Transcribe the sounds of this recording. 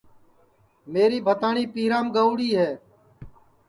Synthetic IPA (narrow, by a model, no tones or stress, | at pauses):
meːɾiːbʱət̪aːɳiːpiːɾaːmɡəʊɽiːɦɛː